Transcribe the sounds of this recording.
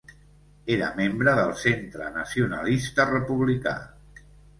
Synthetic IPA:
eɾə̰membɾəðəlˠsent̪ɾə̰nəsiunə̰list̪ərəpuβlika̰

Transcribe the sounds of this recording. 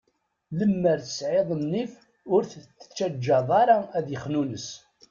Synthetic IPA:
ləmːəɾθə̥sʕeðˤəmnif | ʊɾθt͡sːə̥t͡ʃːæd͡ʒːɑðˤɑɾˤɑæðjəχnunəs

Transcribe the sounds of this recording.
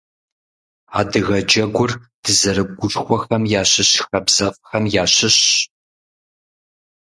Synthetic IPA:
a̰ːdɨɣɐd͡ʒɐɡʷʊrd̥ɨzɐɾɨb̚ɡʷʊt͡ʃʼxʷɔxɐmjaːɕɨɕxɐbz̥ɐfʼxɐmjaːɕɪɕ

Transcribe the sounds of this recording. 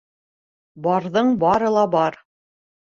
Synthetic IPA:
bɑɾðɤɴbɑɾɤ̆lˠɑbɑɾ

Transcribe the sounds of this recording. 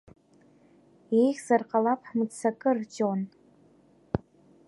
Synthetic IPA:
ejχʲzarqʼalapʰħmɨdt͡sakʼɨrd͡ʒʼon

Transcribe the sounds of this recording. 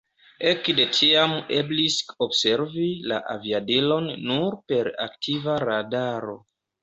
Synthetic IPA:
e̞kde̞tʰiame̞blisobse̞ɾvila̰ʔaviadilo̞nːuɾpe̞ɾa̰ktʰivaɾadaɾo̞

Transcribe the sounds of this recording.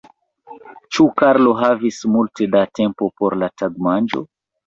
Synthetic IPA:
t͡ʃukaɾlo̞ɦavismulte̞date̞mpo̞po̞ɾlataɡmand͡ʒo̞̰

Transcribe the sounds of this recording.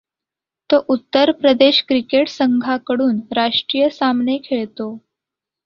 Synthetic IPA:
t̪oʔut̪ːəɾpɾəd̪eɕkɾikeʈsəŋɡʱakəɽuːnɾaʂʈɾiːjəsamnekʰeɭt̪o

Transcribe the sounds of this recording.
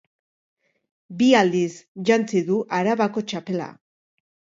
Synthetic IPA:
biald̪isʝant͡siðuʔaɾaβako̞t͡ʃape̞la̰

